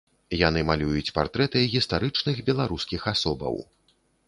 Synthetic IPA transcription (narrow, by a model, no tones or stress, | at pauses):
jan̪ɨmalʲujut͡sʲpart̪ɾɛt̪ɨɣʲist̪aɾɨt͡ʂnɨxbʲɛlˠaɾuskʲixasɔbɐ̰w